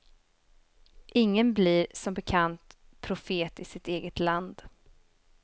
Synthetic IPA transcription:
ʔɪŋːənblɪɾsɔmbɛkʰant̪ | pʰɾʊfeːt̪ɪsɪt̪eːɡət̪land̪

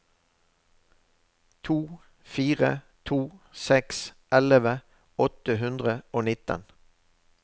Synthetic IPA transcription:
t̪ʰuː | fiːʁə | t̪ʰuːsɛks | ɛləʋə | ɔt̪əɦʉnd̪ʁəoːnɪt̪ə̰n

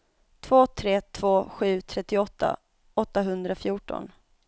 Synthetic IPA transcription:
t̪ʰvoːt̪ʰɾeːt̪ʰv̥oːɧʉ̟ːt̪ʰɾɛt̪ːɪɔt̪ʰːa̰ | ɔt̪ːaɦɵnd̪ɾafjuːʈɔ̰n

